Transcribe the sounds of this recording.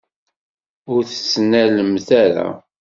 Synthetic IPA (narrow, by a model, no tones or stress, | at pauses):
ʊɾθə̥snæləmθæɾæ̰